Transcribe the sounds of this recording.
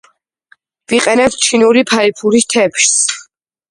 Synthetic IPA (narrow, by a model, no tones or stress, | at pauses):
viqʼɛnɛp̪̚t͡ʃʰinuɾipʰaipʰuɾist̪ʰɛpʃs